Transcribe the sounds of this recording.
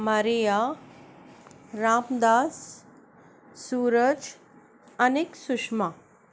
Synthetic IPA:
maɾija | ɾamd̪as | uːɾəd͡ʒ | əneksuʂma

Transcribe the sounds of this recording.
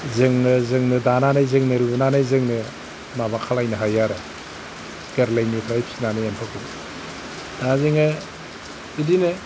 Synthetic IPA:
zɯŋɯzɯŋnɯdananajzɯŋnɯɾibɯnanajzɯŋnɯ | nabakʰalajnɯɦajaɾɯ | ɡ̥eɾlejnipʰɾajp̚sinanɯjampʰakɯ | d̥azɯŋɯ | idinɯ

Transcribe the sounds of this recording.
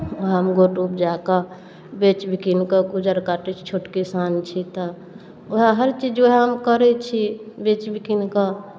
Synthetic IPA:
oɦəmɡoʈup̚d͡ʒaka | bet͡ʃbʱikinkəkud͡ʒəɾkaʈet͡ʃʰt͡ʃʰoʈkisant͡ʃʰit̪ɔ | oɦaɦəɾt͡ʃid͡ʒoɦəmkəɾɛt͡ʃʰibet͡ʃbʱikinka

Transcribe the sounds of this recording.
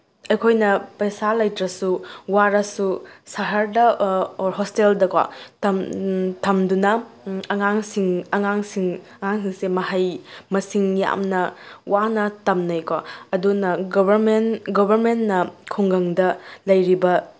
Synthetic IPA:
ɐjkʰojnɐpɐsalɐjtɾɐsuwaɾɐsusaɦɐɾdɐoɾɦɔsteldɐkwa̰tɐmtʰɐmdunɐɐŋaŋsiŋɐŋaŋsiŋ | ɐŋaŋsiŋsemɐɦɐjmɐsiŋja̰mnɐwanɐtɐmnɐjkwaɐdunɐɡobɐɾmenɡobʱɐɾmennɐkʰuŋɡɐŋdɐlɐjɾibɐ

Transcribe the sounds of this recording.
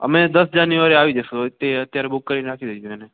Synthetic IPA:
ə̰mẽd̪əsd͡ʒanjuʋaɾeaʋid͡ʒesot̪eət̪jaɾebʊkːəɾinɾakʰid̪eũɛne

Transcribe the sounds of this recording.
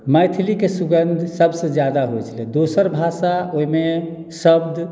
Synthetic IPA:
məjt̪ʰilikesuɡənd̪ʱsəbsə̃d͡ʒjad̪aɦojt͡ʃʰlɛd̪osəɾbʱasaoime | səbd̪ʱ

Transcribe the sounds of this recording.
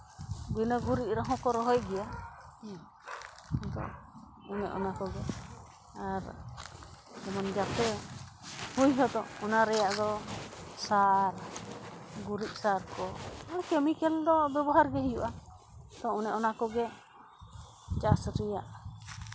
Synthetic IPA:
bunəɡuɾiʔ̚ɾəɦɔ̃kɔɾɔɦɔjɡɛja | d̪ɔ̰ | unɛ̰ʔɔ̰nakɔɡɛ | aɾ | ɛmɔnd͡ʒat̪ɛ | hujɦɔd̪ɔɔnaɾɛjaʔd̪ɔsaɾ | ɡuɾiʔ̚saɾkɔɔkɛmikɛld̪ɔbɛbɔɦaɾɡɛɦijuʔa | t̪ɔunɛʔɔnakɔɡɛ | t͡ʃasɾija̰ʔ

